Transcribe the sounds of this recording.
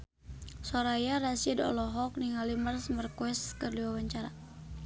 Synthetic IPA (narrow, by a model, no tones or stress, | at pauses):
sɔɾajaɾasidɔ̰lɔɦɔk̚niŋalimərsmərkwɛskərliwawaɲt͡ʃaɾa